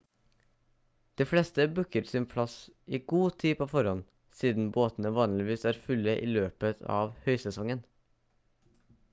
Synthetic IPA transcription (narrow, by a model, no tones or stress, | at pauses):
d̪̥iːflɛst̪əbʉkəɾsɪnpʰlɑsiːɡuːt̪ʰiːpʰoːfɔɾɔn | siːd̪n̩boːt̪n̩əʋɑːnlɪʋiːsæːɾfʉləʔḭːløːpət̪ʰɑ̰ːʋhœʏsɛsɔŋən